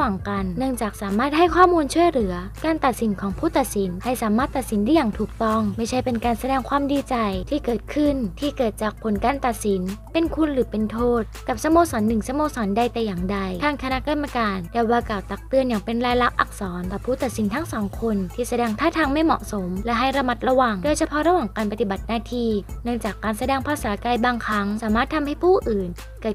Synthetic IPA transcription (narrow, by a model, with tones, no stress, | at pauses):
waː˨˩ŋka˧nnɯ˥˩əŋt͡ɕaː˨˩k̚saː˩˦maː˥˩t̪̚ha˥˩jkʰwaː˥˩muː˧nt͡ɕʰu˥˩əjɾɯ˩˦ɐkaː˧nt̪a˨˩t̪̚si˨˩˦nkʰɔː˩˦ŋpʰuː˥˩t̪a˨˩t̪̚si˩˦nha˧˩jsaː˩˦maː˥˩t̪ːa˨t̪̚si˨˩˦nda˥˩jaː˨˩ŋt̪ʰuː˨˩k̚t̪ɔ˥˩ŋma˥˩jt͡ɕʰa˥˩jpe˧nkaː˧nsa˧dɛː˧ŋkʰwaː˧mdiː˧t͡ɕa˧jt̪ʰiː˥˩kɤː˨˩t̪̚kʰɯ˥˩nt̪ʰiː˥˩kɤː˨˩t̪̚t͡ɕaː˨˩k̚pʰo˨˩˦nkaː˧nt̪a˨˩t̪̚si˩˦npe˧nkʰu˧nɾɯː˩˦pe˧nt̪ʰoː˥˩t̪̚ka˨˩p̚sa˧moː˧sɔː˩˦nːɯ˨˩ŋsa˧moː˧sɔː˨˩˦nda˧jt̪ɛː˨˩jaː˨˩ŋda˧jt̪ʰaː˧ŋkʰa˧na˦˥ka˧mːa˧kaː˧nt̪ɛː˨˩waː˧kaː˨˩wt̪a˨˩k̚t̪ɯ˧ənjaː˨˩ŋpe˧nɾaː˧jla˦˥k̚ʔa˨˩k̚sɔː˩˦nɛ˨˩pʰuː˥˩t̪a˨t̪̚si˩˦nt̪ʰa˦˥ŋsɔː˨˩˦ŋkʰo˧nt̪ʰiː˥˩sa˧dɛː˧ŋt̪ʰaː˥˩t̪ʰaː˧ŋma˥˩jmɔ̰˨˩ʔso˩˦mlɛ˦˥ɦa˥˩jɾa˧ma˦˥t̪̚ɾa˧wa˨˩ŋdoː˧jsʰa˧pʰɔ˦˥ɾa˧waː˨˩ŋkaː˧npa˧t̪i˨˩ba˨˩t̪̚naː˧t̪ʰiː˧nɯ˥˩əŋt͡ɕaː˨˩kːaː˧nsa˧dɛː˧ŋpʰaː˧saː˨˦kaː˧jbaː˧ŋkʰɾa˦˥ŋsaː˨˩˦maː˥˩t̪ʰːa˧mha˥˩jpʰuː˥˩ʔɯː˨˩n | kɤː˨˩t̪̚